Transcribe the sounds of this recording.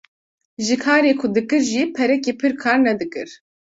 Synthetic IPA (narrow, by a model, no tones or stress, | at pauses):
ʒɨkʰaːɾeːkʰʊd̪ɨkɨɾʒipʰɛɾɛkeːpʰɨɾkʰaːɾnɛd̪ɨkɨ̰ɾ̥